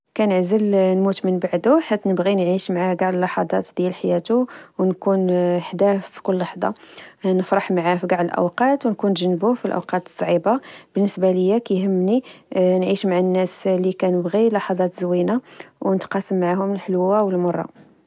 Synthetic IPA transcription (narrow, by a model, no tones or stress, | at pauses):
kænəʕzəlnmut̪mənbaʕd̪uħat̪ːnəbɣinʕiʃmaʕaɡɑʕd̪əlːɑħɑd̪ˤɑt̪d̪jælħajæt̪uwnkunħd̪æffi̥kʊlːɑħd̪ˤɑ̰nəfɾˤɑħmʕafiɡɑʕd̪əlʔə̰wqɑt̪wnkunʒənːbufilʔə̰wqɑt̪ə̥sˤʕibab̥ənːəsbaləjːækæjhəmːninʕiʃmaʕanːæslikænəbɣilɑħɑd̪ˤɑt̪zwinawnət̪qɑsəmːʕahʊməlħlwːawəlmɑrˤːɑ̰